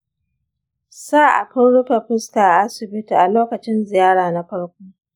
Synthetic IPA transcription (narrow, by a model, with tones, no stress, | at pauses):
saː˦ʔa̰˨ɸʊ˦nɽʊ˦ɸe˨ɸɪ˦skaː˨ʔa˦sɪ˨bɪ˦ti˨ʔa˨loː˦kɐ˨t͡ʃɪ˦nzɪ˨jaː˦ɽaː˨na˦ɸɐ˦ɽkʷoː˦